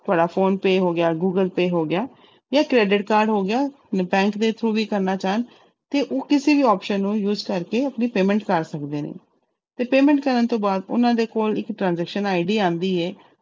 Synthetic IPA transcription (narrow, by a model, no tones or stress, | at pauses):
t̪ʊaːɖaːpʰoːnpeːɦoːɡɪjaːɡuːɡəlpeːɦoːɡɪjaː | jaːkɾɛːɖɪʈkaːɾɖɦoːɡɪjaː | bɛ̃ːŋkd̪eːt̪ʰɾuːʋiːkəɾnaːt͡ʃaːən | t̪eːʔoːkɪseːʋiːɔːpʃənːũːjuːzkəɾkeːəpniːpeːmɛ̃ɳʈkəɾsəkd̪eːnḛː | t̪eːpeːmɛ̃ɳʈkəɾənt̪õːbaːd̪ʊ̰nãːd̪eːkoːlɪkʈɾãːnzɛːkʃənaːiɖiːãːnd̪iːɛː